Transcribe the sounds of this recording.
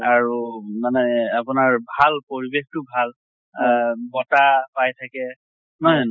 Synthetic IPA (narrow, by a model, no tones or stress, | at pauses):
aɹumanɛapʊnaɹbʱalpoɹibextʊbʱal | bɔtapajtʰakɛ | nɔj